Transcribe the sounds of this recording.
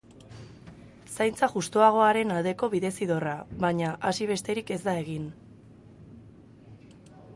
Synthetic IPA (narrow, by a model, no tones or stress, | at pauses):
sajnt͡saʝust̪oaɣ̞o̞aɾe̞nald̪e̞ko̞βiðe̞siðo̞raβaɲaʔasiβ̞e̞st̪e̞ɾike̞zd̪ae̞ɣ̞in